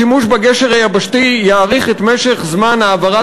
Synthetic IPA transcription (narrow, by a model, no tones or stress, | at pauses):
imuʃbaɡeʃeʁhajabaʃtijaːʁiχet̪meʃe̞χzmanaːvaʁa